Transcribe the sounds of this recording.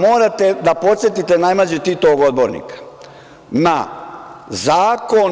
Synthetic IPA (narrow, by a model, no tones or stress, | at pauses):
moːɾat̪ed̪apo̞t̪sʲjet̪it̪enajmlad͡ʑet̪it̪oɡo̞d̪̚bo̞ɾnḭkḁ | na | zaːkon